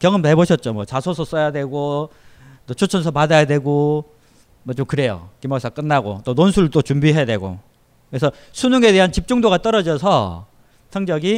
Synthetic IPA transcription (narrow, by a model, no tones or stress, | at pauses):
kjʌŋɯmtɦeboɕʰʌt̚t͡ɕ͈omwʌt͡ɕasʰosʰʌs͈ʌjadwe̞ɡo | t͈ot͡ɕʰot͡ɕʰʌns̬ʰʌpadajadwe̞ɡo | mʌt͡ɕomkɯɾe̞jo̰kimas͈ʰak͈ɯnːaɡo̰t͈ononsʰuɾɯɭt͈ot͡ɕumbiɦejadwe̞ɡo̰ | kɯɾesʰʌ | sʰunuŋe̞de̞ɦant͡ɕip̚t͡ɕ͈uŋdoɣat͈ʌɾʌd͡ʑʌsʰʌ | sʰʌŋd͡ʑʌɡi